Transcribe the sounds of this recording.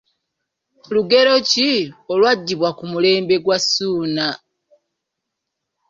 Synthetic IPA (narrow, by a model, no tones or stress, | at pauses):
luɡe̞ɾo̞ciolwaɟːiβwakumule̞ːmbe̞ɡwasuːna